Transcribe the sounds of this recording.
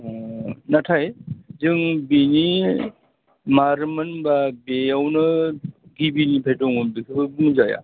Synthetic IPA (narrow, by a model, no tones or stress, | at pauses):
natʰajzɯŋbini | maɾmɯnbabeawnɯɡibinipʰejdɔŋubikʰɯbɯbumzaja̰